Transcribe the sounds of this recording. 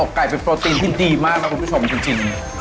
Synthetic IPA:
oː˨˩kːaː˨˩jpe˧npɾoː˧t̪iː˧nt̪ʰiː˥˩diː˧maː˥˩k̚la˦˥kʰu˧npʰu˥t͡ɕʰo˧mt͡ɕi˧ŋt͡ɕi˧ŋ

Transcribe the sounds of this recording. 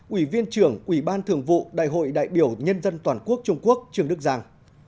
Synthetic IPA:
ʔwi˧˩vi˧ənt͡ɕɨ˨˧˩əŋʔwi˧˩ɓaː˧nt̪ʰɨ˨˩əŋvṵ˧˨ɗa̰ː˧˨jɦo̰˧˨jɗa̰ː˧˨jɓi˧˩əwɲə˧nzə˧nt̪waː˨˩nku˦˥ək̚t͡ɕʊ˧ŋ͡mku˦˥ək̚t͡ɕɨ˧˩əŋɗɨ˦˥k̚zaː˧ŋ

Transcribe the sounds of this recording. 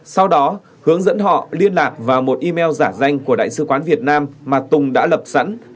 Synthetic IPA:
sa˧wɗɔ˨˦ | hɨ˨˦əŋzə̰˧˥nɦɔ̰˧˨li˧ənlaː˨˩k̚vaː˨˩wmo˨˩t̚ʔi˧mɛ˧wzaː˧˩za˧jŋ̟ku˧˩əɗa̰ː˧˨jsɨ̰˧˥kwaː˨˦nvi˨˩ət̚naː˧mːaː˨˩t̪ʊ˨˩ŋ͡mɗa̰ː˧˥lə˨˩p̚sa̰˧˥n

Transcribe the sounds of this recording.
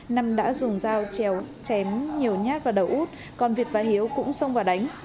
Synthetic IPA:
na˧mɗa̰ː˧˥zʊ˨˩ŋ͡mzaː˧wt͡ɕɛ˧˩wt͡ɕɛ˨˦mɲi˨˩əwɲaː˦˥t̚vaː˨˩ɗə˨˩wʔu˦˥t̚ | kɔ˨˩nvi˨˩ət̚vaː˨˩ɦi˨˦əwkʊ̰˧˥ŋ͡msə˧wŋ͡mvaː˨˩ɗa˨˦jŋ̟

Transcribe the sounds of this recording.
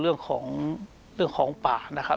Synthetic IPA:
ɾɯ˥˩əŋkʰɔː˩˦ŋ | ɾɯ˥˩əŋkʰɔː˩˦ŋpaː˨˩na˦˥kʰa˦˥

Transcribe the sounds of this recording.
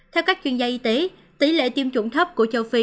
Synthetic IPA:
t̪ʰɛ˧wkaː˦˥k̚t͡ɕwi˧ənzaː˧ʔi˧t̪e˨˦ | t̪i˨˦lḛ˧˨t̪i˧əmt͡ɕʊ˧˩ŋ͡mt̪ʰə˦˥p̚ku˧˩ət͡ɕə˧wfi˧

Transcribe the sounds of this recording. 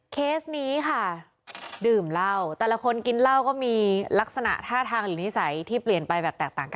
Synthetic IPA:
kʰeː˦˥sniː˦˥kʰa˥˩ | dɯː˨˩mla˥˩wt̪ɛː˨˩la˦˥kʰo˧nki˧nla˥˩wkɔː˥˩miː˧la˦˥k̚sa˧na̰˨˩ʔt̪ʰaː˥˩t̪ʰaː˧ŋɾɯː˩˦ni˦˥sa˩˦jt̪ʰiː˥˩pli˨˩ənpa˧jbɛː˨˩p̚t̪ɛː˨˩k̚t̪aː˨˩ŋka˧

